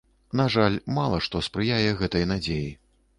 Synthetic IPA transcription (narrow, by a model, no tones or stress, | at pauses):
naʐalʲmalˠɐʂt̪ɔspɾɨjajɛɣɛt̪ɐjnad͡zʲeji